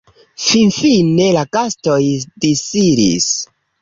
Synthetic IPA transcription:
finfinːe̞lakasto̞jdisidḭs

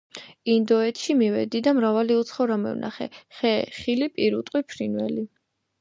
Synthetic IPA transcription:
ind̪ɔɛt̪ʰʃimivɛ̰d̪id̪amɾavaliut̪sʰχɔɾamɛ̰vnʔa̰χɛ̰χɛχilipʼiɾut̪ʼqʼwipʰɾinwɛ̰li

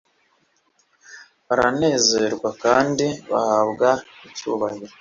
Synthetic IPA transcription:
βaɾane̞ːze̞ɾɡwakaːndiβa̰habɡaicṵːβahi

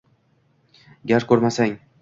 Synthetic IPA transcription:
ɡʲaɾkʲʰɵɾmasaŋ

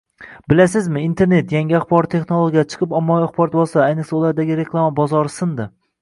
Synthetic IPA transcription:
bɪlasɪzmɪint̪ʰe̞ɾnet̪jaŋɡʲiaχbɒɾt̪ʰːe̞χnolˠoɡʲijat͡ʃʰɨ̥qʰɨpɒmːɒaχbɒɾt̪̚bɒlˠsaajnɨqsaʊlˠaɾd̪aɡʲɪɾekʰlˠamabɒzɒɾɪsɪnd̪ɪ

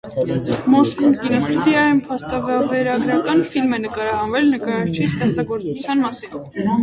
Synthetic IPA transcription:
mɔskumkinɔfid̪iɑjumpʰɑst̪ɑvvɛɾɑɡɾɑkɑnfilmɛnəkɑɾɑɦɑnvɛlnəkɑɾɑɾt͡ʃʰist̪ɛχt͡sɑɡɔɾt͡sut͡sʰjɑnmɑsin

